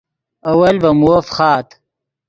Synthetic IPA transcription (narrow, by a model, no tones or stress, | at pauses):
ɐwɐlbɐmuofχɑːt̪